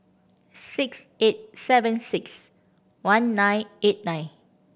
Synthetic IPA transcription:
sikset̚sɛvə̃nsɪks | wãnːãjnet̚nãj̃n

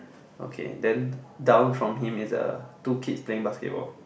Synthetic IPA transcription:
ʔo̰kʰḛdɛ̃ndãʊ̃nfɹɔ̃mɦĩmisə̰tukʰitspleĩŋbaskɛ̰t̚bɔ̰l

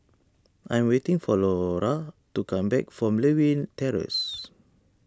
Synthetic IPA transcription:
ʔãj̃mwetĩŋfɔlɔɹatukãmbɛk̚fɹɔ̃mlewĩntɛɹə̰s

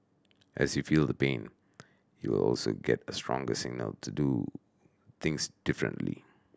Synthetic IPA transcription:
ʔɛsjufiːlˠd̪əpẽn | juwɪlɔ̰lsoɡɛtəstɹɔ̃ŋɡəsɪɡ̚nəltʰudu | t̪ɪ̃ŋsd̥ɪfɹə̰̃ntlḭ

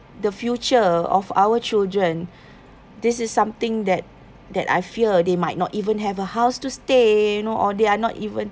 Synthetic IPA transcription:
dəfjut͡ʃəɔ̰fa̰wət͡ʃildɹə̃n | dɪsɪsːãmt̪ɪ̃ŋdɛt̚ | dɛ̰ta̰jfiədemaɪt̚nɔtivə̃nɦɛvəhaʊstustejunoʔɔdeanɔ̰tivə̃n

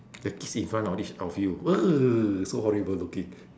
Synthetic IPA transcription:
dəkisĩnfɹãntɔfit͡ʃafjuəsohɔɹibəllukĩŋ

